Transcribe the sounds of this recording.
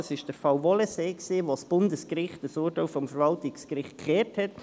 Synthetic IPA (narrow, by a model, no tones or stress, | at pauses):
sɪʃd̥əɾfɑwvɔləseːksiːʋosb̥ʊndəskɾɪχtəsuːɾtawfɔmfəɾvɑltɪkskɾɪχtkχɛːthɛt